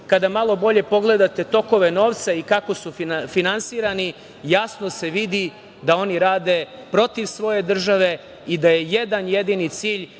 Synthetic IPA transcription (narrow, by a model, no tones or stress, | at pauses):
kad̪amalˠo̞bo̞ʎe̞po̞ɡle̞d̪at̪e̞t̪o̞ko̞ʋe̞no̞ːʋt̪saikako̞sufinansiːɾani | jasno̞se̞ʋid̪i | d̪ao̞niɾaːd̪e̞ | pɾo̞t̪iʋsʋo̞je̞d̪r̩ʒaʋe̞ | id̪aje̞jed̪anjed̪init̪siːʎ